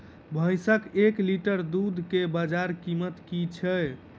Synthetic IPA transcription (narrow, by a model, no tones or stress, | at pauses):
bʱəjsəkekliʈəɾd̪ud̪ʱkebad͡ʒaɾkimət̪kit͡ʃʰɛ